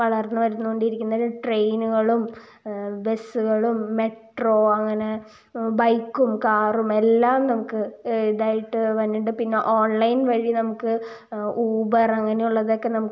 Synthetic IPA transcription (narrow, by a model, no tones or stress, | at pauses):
ʋɐɭɐrnːuʋɐɾunːuɣoɳɖiɾikʲːunːɐðuʈrejnuɣɐɭum | be̞sːuɣɐɭumːe̞ʈro̞ːɐŋːɐne̞ | bɐjkːumkaːrume̞lːaːmnɐmukːɨiðaːjiʈːɨʋɐnːiɳɖɨpinːe̞ʔoːɳlɐjnʋɐɻinɐmukːɨ | uːbɐrɐŋːɐnejuɭːɐðo̞ːkːe̞nɐmukː